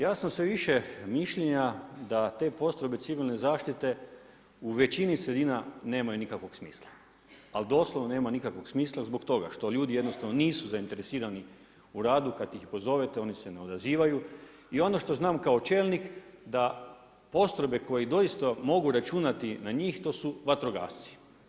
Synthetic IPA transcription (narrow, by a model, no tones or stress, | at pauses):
jaːsamsʋeʋiʃemiʃʎeɲad̪at̪e̞ːpo̞st̪ɾo̞be̞t̪siʋilne̞zaːʃt̪it̪e̞ | uʋe̞t͡ʃinisɾed̪iːnane̞ːmajunikakʋo̞ɡsmḭːslˠa | ald̪o̞ːsloʋnone̞ːmanikakʋo̞ksmiːslˠazbo̞kt̪o̞ɡa̰ʃt̪o̞ʎuːd̪ijed̪no̞st̪aʋnoniːsuzaint̪e̞ɾesiːɾani | uɾaːd̪ukat̪jixpo̞zo̞ʋet̪eo̞nise̞neo̞d̪aziːʋaju | io̞no̞ʃt̪o̞znaːmkao̞t͡ʃe̞ːlnikd̪a | po̞st̪ɾo̞be̞ko̞jid̪o̞ist̪amo̞ɡuɾat͡ʃunat̪inaɲiːxt̪o̞ːsuʋat̪ɾo̞ɡa̰ːʃt̪si̥